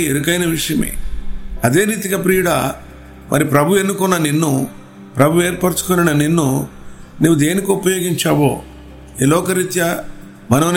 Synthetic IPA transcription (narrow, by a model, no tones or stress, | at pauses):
ed̪ukɐjnɐʋiʂɐjɐmḛɐd̪e̞ːɾiːt̪ikɐpɾiːjuɽɐ̰ | mʔɐ̰ɾipɾɐbʱuenːukɔnːɐninːu | pɾɐbʱue̞ːɾpɐɾt͡ʃu̥kɔninɐninːu | nuːʋud̪e̞ːnikiupɐjo̞ːɡiɲt͡ʃaːʋo̰ː | elɔːkɐɾit̪jɐ | mɐnɐmn